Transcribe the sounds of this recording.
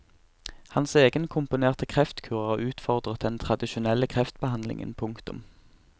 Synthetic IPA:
hɑnseːɡənkʰʊmpʊneːʁt̪əkʰʁɛft̪kʰʉːʁəɑʉːt̪fɔʁd̪ʁət̪̚d̪ɛnt̪ʰʁɑd̪ɪʃʊnɛlːəkʰʁɛft̪bəhɑnlɪ̰ŋə̰npʰʊŋkt̪ʊ̰m

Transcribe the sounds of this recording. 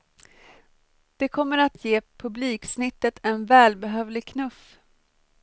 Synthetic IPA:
d̪̥ɛkʰɔmːəɾat̪ʰjeːpʰɵbliːksnɪt̪ːət̪ɛnvɛːlbɛɦøːvlɪɡkʰnɵf

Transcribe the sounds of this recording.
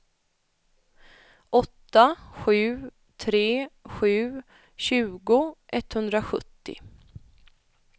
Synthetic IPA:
ʔɔt̪ːaɧʉ̟ː | t̪ʰɾeːɧʉ̟ː | ɕʉ̟ːɡʊʔɛt̪hɵnd̪ɾaɧɵ̰t̪ːɪ̰

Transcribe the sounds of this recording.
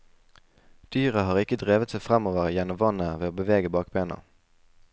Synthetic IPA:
d̪̥yːʁəhɑːʁɪkəd̪ʁeːʋət̪sæɪfʁɛmoːʋəʁjɛnʊmʋɑnəʋeːoːbəʋeːɡəbɑːk̚beːnə̰

